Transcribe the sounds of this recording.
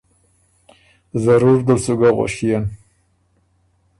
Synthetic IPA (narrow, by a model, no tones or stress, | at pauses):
zaɾuɾd̪əsuɡaɣa̰ʃijan